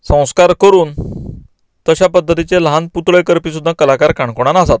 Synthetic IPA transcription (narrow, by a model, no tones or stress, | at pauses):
sə̃w̃skaɾkəɾuːn | t̪əɕapəd̪ʱːət̪it͡selɦanput̪ɭəjkəɾpisud̪ʱːakəlakaɾkaɳkoɽ̃anasat̪